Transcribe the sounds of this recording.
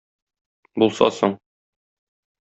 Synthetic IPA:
bulˠsɑ̰soɴ

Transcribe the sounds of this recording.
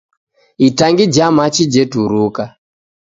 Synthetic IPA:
itaŋɡid͡ʒamat͡ʃid͡ʒetuɾuːka

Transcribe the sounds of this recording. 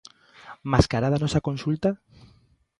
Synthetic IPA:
maskaɾaðanɔsakonsult̪a

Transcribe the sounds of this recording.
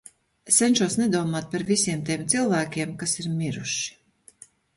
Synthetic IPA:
sɛnʲʃuɔsnɛd̪uɔmaːt̪̚paɾvisiɛmt̪iɛmt̪silˠvæːkʲiɛmkasiɾmʲiɾuʃi̥

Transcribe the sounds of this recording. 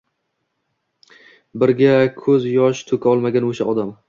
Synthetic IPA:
bɪɾɡʲakʰɵzjɒʃt̪ʰɵkʰʲaɒlˠmaɡʲanoʃaɒd̪am

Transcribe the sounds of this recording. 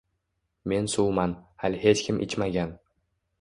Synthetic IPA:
me̞nsuwmanhalʲhet͡ʃkʲʰɪmʔɪ̰t͡ʃmaɡʲan

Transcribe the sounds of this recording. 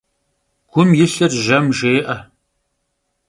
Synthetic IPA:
ɡ̥ʷʊmjɪɬɐrʒɐmʒeːʔɐ

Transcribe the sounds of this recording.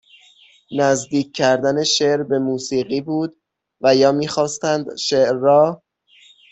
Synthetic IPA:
næzd̪iːcʰʲcʰːæɾd̪æne̞ʃeʔɾbe̞muːsiːɢiːbuːd̪ | væjɒːmiːxɒːst̪ænd̪ʃeʔɾːɒː

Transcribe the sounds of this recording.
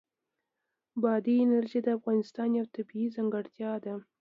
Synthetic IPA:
bɑd̪iɪnaɾʒid̪əafɣɑnɪst̪ɑnjawt̪abiizaŋɡaɽt̪jɑd̪a

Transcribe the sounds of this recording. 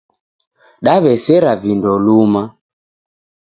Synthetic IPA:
ɗaβɛsɛɾavindɔluma

